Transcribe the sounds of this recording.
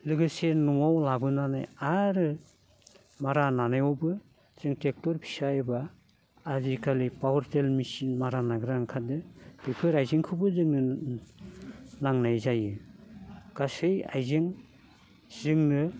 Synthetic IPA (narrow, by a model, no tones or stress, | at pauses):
lɯɡɯsenɔŋawlabɯnana̰jaɾɯ | maɾananajɔbɯ | z̥ɯŋtek̚tɔɾpʰi̥sajbaː | zikʰalipawɔɾtelmisinmaɾanaɡɯɾaŋkʰadɯb̥ɯkʰɯɾajziŋkʰɯbɯzɯŋnɯ | naŋnajzajɯ | ɡ̥asɯja̰jzeŋ | z̥ɯŋnɯ